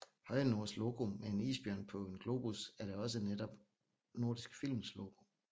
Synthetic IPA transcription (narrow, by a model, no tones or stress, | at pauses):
hɒ̽ɪno̝ɐslo̝ɡ̥o̝mee̝nḭːsb̥jœɐ̰npʰɒ̽e̝nɡ̥lo̝ːb̥usæɐɾeɒ̽səned̥ɒb̥ | no̝ɐd̥isɡ̥fil̰mslo̝ːɡ̥o̝